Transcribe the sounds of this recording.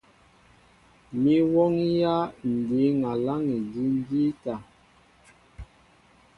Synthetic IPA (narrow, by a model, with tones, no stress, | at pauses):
mi˦wɔ˦ŋ˦ja˦n̩˨di˨˦ŋa˨la˦ŋi˨di˦n˦di˦ta˨